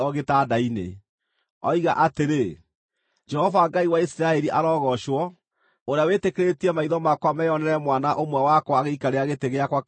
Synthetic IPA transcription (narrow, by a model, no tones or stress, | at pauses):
ɔɣetadainḛ | ɔ̰iɣa̰ʔateɾe | d͡ʒɛhɔvaŋɡaiwaisiɾaɛɾiʔaɾɔːɣɔʃwɔ | oɾeawetekeɾetiɛmaiðɔmakwamɛjɔnɛɾɛmwanaʔomwawakɔaɣeikaɾeaɣeteɣeakwa